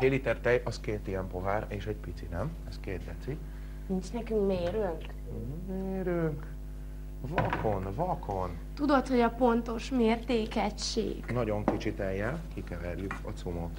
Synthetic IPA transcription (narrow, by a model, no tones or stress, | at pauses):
heːlit̪ɛrt̪ɛjɒskeːt̪iɛmpo̞ɦaːɾeːʃɛɟpit̪sinɛm | ɛskeːd̪d̪ɛt̪si | nint͡ʃnɛkyŋkmeːɾøŋk | meːɾyŋk | vɒkʰonvɒkʰo̞n | t̪ud̪o̞t̪ho̞ɟɒpo̞nt̪o̞ʃmeːrt̪eːkɛʃːḛːɡnɒɟo̞ŋkit͡ʃit̪ɛjːɛlkikɛvɛrjykɒ̰t̪sumot̪